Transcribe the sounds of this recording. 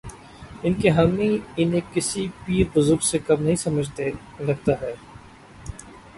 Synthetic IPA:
ɪnkeɦɐmĩɪnẽkɪsipiːɾbʊzʊɾɡsekɐmnɐɦĩsɐməd͡ʒʱt̪e | ɾɐɡ̚t̪aɦɛː

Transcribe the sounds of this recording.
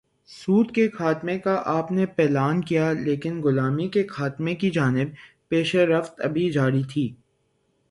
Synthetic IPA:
suːt̪kexaːt̪mẽkaʔaːpnepɛːlaːnkijaleːkɪnɡʊlaːmikexaːt̪mẽkid͡ʒaːnɪb̚ | peːʃeɾɐft̪ɐbʱid͡ʒaːɾit̪ʰiː

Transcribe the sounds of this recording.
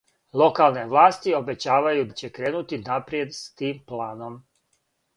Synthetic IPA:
lˠo̞kaːlˠne̞ʋlˠaːst̪io̞be̞t͡ɕaːʋajud̪t͡ɕe̞kɾe̞ːnut̪inapɾije̞d̪st̪iːmplaːno̞m

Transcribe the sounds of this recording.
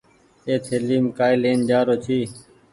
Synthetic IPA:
eːt̪ʰeːliːmkaːileːnd͡ʒaːɾoːt͡ʃ̪ʰiː

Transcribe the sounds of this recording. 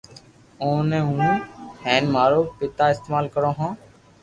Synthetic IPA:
oːnẽːũːhɛ̃ːnmaːɾoːpɪt̪aːɪst̪eːmaːlkəɾõːɦõː

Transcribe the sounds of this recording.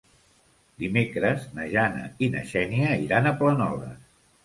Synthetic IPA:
d̪imekɾəznəʒanə̰inə̰ʃɛniəiɾanəplənɔ̰ðə̰

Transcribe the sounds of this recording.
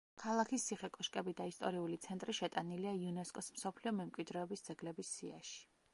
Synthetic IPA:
kʰalˠakʰist̪ːʰiχɛkʼɔʃkʼɛbid̪aist̪ʼɔɾiulit̪sʰɛnt̪ʼɾiʃɛt̪ʼaniliaiunɛskʼɔsm̩sɔpʰliɔmɛmkʼwid̪ɾɛɔbisd̪zɛɡlɛbisːia̰ʃi̥

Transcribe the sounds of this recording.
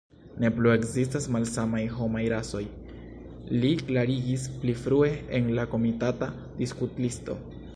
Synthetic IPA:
ne̞plue̞kzistasmalsamajɦo̞majɾaso̞j | liklaɾiɡisplifɾue̞enlako̞mitata | diskutlisto̞̰

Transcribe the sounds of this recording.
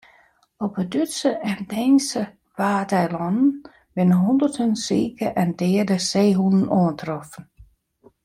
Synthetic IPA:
ɔpədytsəʔɛndɛːnsə | ʋaːdɛjlɔnn̩ | ʋɪnəɦundərtʰənsiːkəʔɛndɪːədəseːɦunn̩oːəntʰrɔfn̩

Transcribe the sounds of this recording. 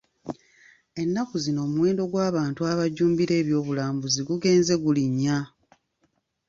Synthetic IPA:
e̞nːakuzino̞ːmuwe̞ːndo̞ɡwaːβaːntuaβaɟuːmbiɾe̞ːβjo̞ːβulaːmbuziɡuɡe̞ːnze̞ɡuliɲːa

